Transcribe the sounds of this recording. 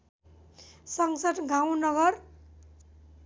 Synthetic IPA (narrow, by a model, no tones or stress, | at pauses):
sʌŋsʌʈɡʱaw̃nʌɡʌr